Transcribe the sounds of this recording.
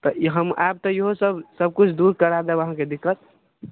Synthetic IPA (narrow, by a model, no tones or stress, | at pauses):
t̪ɔɦəmab̚t̪ɔjəɦosəbsəb̚kut͡ʃʰd̪uɾkəɾad̪ɛʋəɦãked̪ɪkʰːət̪̚